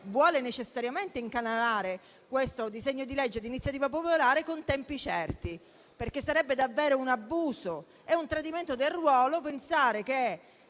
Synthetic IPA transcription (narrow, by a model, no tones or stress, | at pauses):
vwɔːlenet͡ʃesːaɾjament̪eiŋkanalaːɾe | kwest̪od̪izeɲːod̪ilɛd͡ʒːed̪init̪sːjat̪iːvap̬opolaːɾekont̪ɛmpit͡ʃɛrt̪i | perk̟esːaɾɛbːed̪avːeːɾounabːuːso | ɛunt̪ɾad̪iment̪od̪elrwɔːlop̬ensaːɾeke